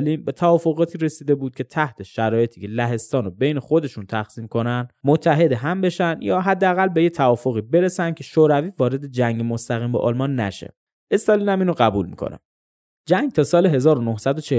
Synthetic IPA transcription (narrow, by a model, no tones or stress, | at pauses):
liːmbe̞t̪ʰævɒːfo̞ɣɒːt̪ʰiːɾe̞siːd̪e̞buːd̪̚cʰe̞t̪ʰæht̪ʰe̞ʃæɾɒːje̞t̪ʰiːcʰe̞læɦe̞st̪ɒːnobe̞jnexo̞d̪e̞ʃunt̪ʰæxsiːmkʰo̞nænd̪mot̪ʰːæɦe̞d̪eɦæmbe̞ʃænd̪jɒːɦæd̪ːeæɣælbe̞jet̪ʰævɒːfoɣiːbe̞ɾe̞sæn̥̚cʰe̞ʃoːɾæviːvɒːɾe̞d̪e̞d͡ʒæŋɡemost̪æɣiːmbɒ̰ʔɒ̰ːlmɒːnːæ̰ʃḛ | e̞st̪ɒːliːnæmiːnoɢæbṵːlmḭːkʰo̰nʔæ̰m | d͡ʒæŋɡ̚t̪ʰɒːsɒːleɦe̞zɒːɾonohsæd̪ot͡ʃʰe